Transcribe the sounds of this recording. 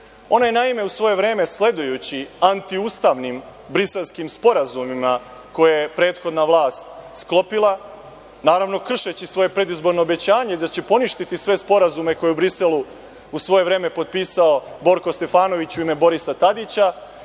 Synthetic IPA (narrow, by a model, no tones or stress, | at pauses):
o̞najenaime̞usʋo̞je̞ʋɾe̞ːme̞sle̞d̪ujut͡ɕiant̪iuːst̪aʋnimbɾise̞lˠskimspo̞ɾazumima | ko̞jejepɾe̞ːt̪xo̞d̪naʋlˠaːst̪sklˠo̞pilˠa | naːɾaʋno̞kr̩ʃet͡ɕisʋo̞je̞pɾe̞d̪izbo̞ɾno̞ːbe̞t͡ɕaːɲe̞id̪at͡ɕe̞po̞niʃt̪it̪isʋe̞spo̞ɾazume̞ko̞jeubɾiselu | usʋo̞je̞ʋɾe̞ːme̞po̞t̪̚piːsaobo̞ɾkost̪e̞faːno̞ʋit͡ɕuime̞bo̞ɾisat̪ad̪it͡ɕa